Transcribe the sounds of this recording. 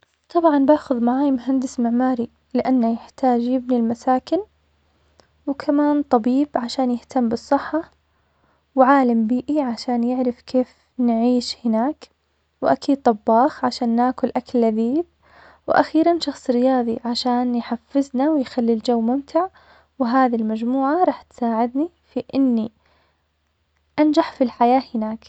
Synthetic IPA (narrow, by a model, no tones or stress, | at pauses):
t̪ˤɑbʕɑnbaːxʊðmaʕaːjmʊɦand̪ɪsmɪʕmaːɾi | lɪʔanːajɪħt̪aːd͡ʒjɪbnilmasaːkɪn | wkʰamaːnt̪ˤɑbiːbʕaʃaːnjɪht̪amːbɨsˤːɨħːɑ | wʕaːlambiːʔiʕaʃaːnjɪʕɾɪfkʰeːf | nʕiːʃhɪnaːk | wʔa̰kʰiːd̪̚t̪ˤɑbːɑːxʕaʃaːnːaːkʊlʔakalːaðiːf | wʔa̰xiːɾanʃɑxsˤɾɪjɑːðˤiʕaʃaːnjħafːɪznawɪjxalːild͡ʒawːmʊmt̪ʰɪʕ | wɦaːðilmad͡ʒmuːʕaɾˤɑːħt̪saːʕɪd̪ni | fiʔɪnːi | ʔand͡ʒaħfilħajaːhɪnaːk